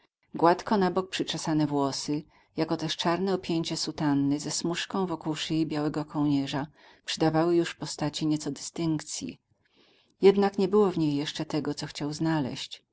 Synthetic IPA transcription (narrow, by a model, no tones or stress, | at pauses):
ɡwat̪kɔnabɔk̚pʂɘt͡ʂasanɛvwɔsɘ | jakɔt̪ɛʂt͡ʂaɾnɛɔpʲjeɲt͡ɕɛsut̪anːɘzɛsmuʂkɔ̃w̃vɔkuwʂɘjibʲjawɛɡɔkʰɔwɲɛʐa | pʂɘd̪avawɘjuʂpɔst̪at͡ɕiɲɛt̪sɔd̪ɘst̪ɘŋkt̪sʲjḭ | jɛd̪nakɲɛbɘwɔvɲejːɛʂt͡ʂɛt̪ɛɡɔt̪sɔxt͡ɕawznalɛ̰ɕt͡ɕ